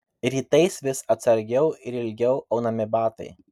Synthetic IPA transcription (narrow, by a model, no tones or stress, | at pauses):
ɾʲiːt̪ɐɪsʋʲɪsɐt̪sɐɾʲɡʲɛʊɪɾɪlʲɡʲɛʊɐʊnɐmʲɪbɑːt̪ɐ̰ɪ